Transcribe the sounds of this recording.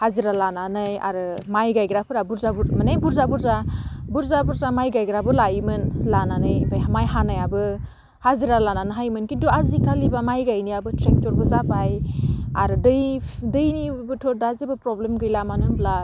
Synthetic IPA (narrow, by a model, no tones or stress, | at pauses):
haziɾalananɯja̰ɾɯmajɡajɡɾapʰɯɾabuɾzabuɾmɯnajbuɾzabuɾzabuɾzabuɾzamajɡajɡɾabɯlaimɯnlananɯjbajɦamajɦanajabɯ | haziɾalananɯɦajmɯnkintuazikʰalibamajɡajnijabɯtɾek̚tɔɾbɯzabajaɾɯdɯjdɯjnibɯtʰɔdazibɯpɾɔblemɡɯjlamanɯmla